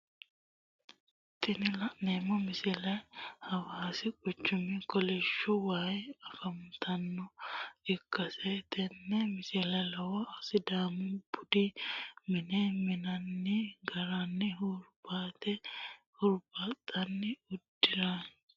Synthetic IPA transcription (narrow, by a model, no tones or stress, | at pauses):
t̪ʰʼɪnɪlɐʔneːmːɔmɪsɪlɐjhɐwaːsɪkʼɔt͡ʃːʊmɪkɔlɛʃːʊwaːjɐfɐmt̪ʰɐnːɔɪkːɐsɛt̪ʼɛnːɛmɪsɪlɐjlɐwɐɐsɪd̪aːmʊbʊd̪imɪnɛmɪnɐnːɪɡɐɾɐnːɪhʊɾbaːt̪ɛ | hʊɾbat̪ʼːɐnːɪʊd̪ːɪɾa